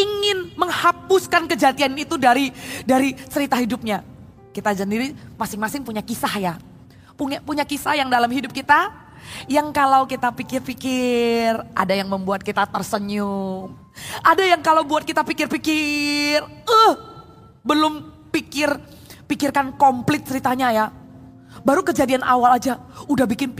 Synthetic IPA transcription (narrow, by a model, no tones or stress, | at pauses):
iŋɪnməŋhapʊskankəd͡ʒat̪ianit̪udaɾidaɾit͡ʃəɾit̪aɦidʊp̚ɲa | kit̪azndiɾimasɪŋmasɪŋpuɲakisahja | puɲapuɲakisahjaŋdalamhidʊp̚kit̪a | jaŋkalawkit̪apikɪrpikɪrʔa̰dajaŋməmbuat̪̚kit̪at̪ərsəɲʊŋ | ʔadajaŋkalawbuat̪̚kit̪apikɪrpikɪrəh | bəlʊm | pikɪr | pikɪrkankɔmplɪt̪̚t͡ʃəɾit̪aɲaja | baɾukəd͡ʒadianʔa̰walad͡ʒaudahbikɪn